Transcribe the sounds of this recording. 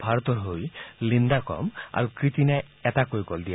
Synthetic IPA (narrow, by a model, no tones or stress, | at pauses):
bʱaɾɔt̪ɔɾɦojlind̪akɔ̰ma̰ɾukɾit̪inaj | ɛt̪akojkɔld̪ija